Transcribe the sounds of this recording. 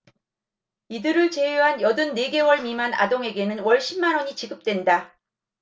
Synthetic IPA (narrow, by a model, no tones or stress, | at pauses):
idɯɾɯɭt͡ɕe̞jeɦanjʌdɯnːe̞ɡe̞wʌɭmimana̰doŋe̞ɡe̞nɯnwʌɭɕ͈ʰimmːanʌɲit͡ɕiɡɯp̚t͈we̞nda